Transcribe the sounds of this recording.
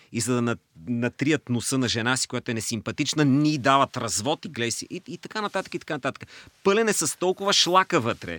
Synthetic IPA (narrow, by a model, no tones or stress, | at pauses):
izɐd̪ɐnɐnɐt̪ɾiət̪nʊsɤnɐʒɛnasi̥kojat̪ʊɛnɛsimpɐt̪it͡ʃnənid̪avɐt̪ɾɐzvɔt̪iɡlɛsiʔiit̪ɐkanɐt̪at̪ə̥kit̪ɐkanɐt̪at̪ə̥kəpɤlʲɛnɛsɐst̪ɔlˠkʊvɐʃlˠakəvɤt̪ɾɛ̰